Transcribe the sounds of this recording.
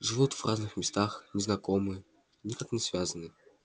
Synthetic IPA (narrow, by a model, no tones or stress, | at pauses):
ʐɨvut̪v̥raznɨxmʲɪst̪axnʲɪznɐkomɨə | nʲɪkaknʲɪsvʲazənɨ